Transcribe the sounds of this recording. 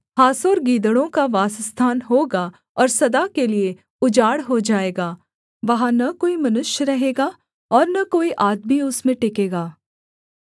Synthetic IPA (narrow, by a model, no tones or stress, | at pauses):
haːsoːɾɡiːd̪əɽõkaʋaːsəst̪ʰaːnɦoːɡa | ɔːɾsɐd̪akelie | ʊd͡ʒaːɽɦod͡ʒaːeːɡaː | ʋɐɦãnɐkoːimɐnʊʃjəɾɐɦeːɡaː | ɔːɾnɐkoːiʔaːd̪miʊsmẽʈɪkeːɡaː